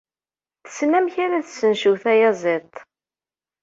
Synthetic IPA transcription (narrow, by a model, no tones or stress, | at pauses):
θə̥smæmçaɾæθsənʃuθæjæzˤɪt̪ˤː